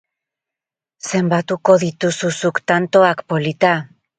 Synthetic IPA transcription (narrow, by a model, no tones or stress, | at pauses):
se̞mbat̪uko̞ðit̪ususukt̪ant̪o̞akpo̞lit̪a